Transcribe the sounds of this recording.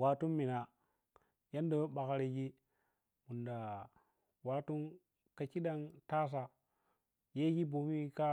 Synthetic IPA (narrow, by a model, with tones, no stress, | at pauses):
wa˨tu˦nmi˨na˨ | ja˦ndo˦ɓa˨ka˦ɾe˨ɡi˦ | mu˨nda˨ | wa˨tu˦n | ka˨ki˦ɗa˦ŋta˦s̬a˨ | je˦ɡi˦bo˨mi˦ka˦